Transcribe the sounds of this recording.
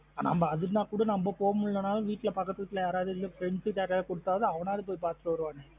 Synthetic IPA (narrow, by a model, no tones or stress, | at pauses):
anɐ̰mbɐɐðɯnaːkuːɽɐnɐmbɐpoːɐmʊɭːɐnaːlɐʋiːʈːɪlɐpɐkːɐt̪ːɯɐt̪ːɪlɐjaːɾaːðɯɪlːɐfɪɾɛɳsɯʈjaːʈːalɐkɔɽɯt̪ːaːʋɐðɯɐʋɐnaːðɯp̬oːjpaːɾt̪ɯʈɐʋɐɾɯʋaːnɯ